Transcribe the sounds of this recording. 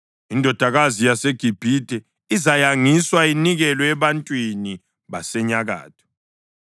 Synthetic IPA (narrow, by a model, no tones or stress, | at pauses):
indʱɔd̥ʱaɣazijaseɡ̥ʱib̥ʱidʱɛ | izajaŋiswainiɣɛlɔɛβantʼwini | βasɛɲaɣa̰ːtʰɔ̥